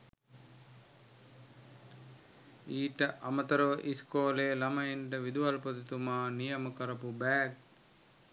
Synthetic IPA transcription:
iːʈɐʔɐmɐt̪ɐɾoʋʔiskoːleːlɐmɐiɳʈɐʋid̪uʋɐlpɐt̪it̪umaːnijɐmɐkɐɾɐpubɛːk̚

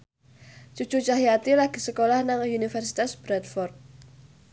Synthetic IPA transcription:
t͡ʃut͡ʃut͡ʃaɦijat̪ilaɡ̥i̤səkolahnaŋunifɛrsit̪asb̥ɾat̪̚fɔrt̪̚

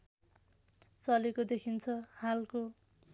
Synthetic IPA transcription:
t͡sʌlekod̪ekʰint͡sʰʌhalko

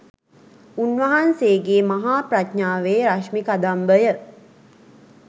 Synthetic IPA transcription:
unʋɐɦanseːɡeːmaɦaːpratɲaːʋeɾaʃmikad̪ambəjə

